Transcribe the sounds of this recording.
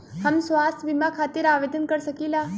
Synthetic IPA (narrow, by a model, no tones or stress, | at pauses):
həmsʋaːst̪ʰʋimakʰaːt̪ɪɾaːʋeːd̪ənkəɾsəkiːlaː